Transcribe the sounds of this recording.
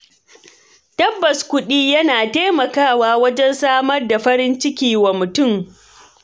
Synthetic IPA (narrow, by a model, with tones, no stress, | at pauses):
tɐ˦bːɐ˨skʷʊ˦ɗiː˦jɐ˦naː˨teː˦mɐ˨kaː˦˨waː˨wɐ˦d͡ʒɛ˦nsaː˦mɐ˦rda˨ɸɐ˦ɾɪ˦nt͡ʃɪ˦kʲiː˨wa˨mʊ˨tʊ˦˨m